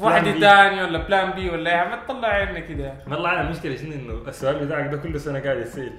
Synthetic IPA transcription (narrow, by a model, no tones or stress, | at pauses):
waħd̪it̪aːniwalːablaːnbiːwalːaeːhamat̪̚t̪ˤːɑlːɪʕʕeːnnakɪd̪amɑt̪ˤlːɑʕanalmʊʃkɪlaʃɪnːiʔɪnːuʔasːʊʔaːlbɪt̪aːʕak̚d̪akʊlːsanaɡaːʕɪd̪jasal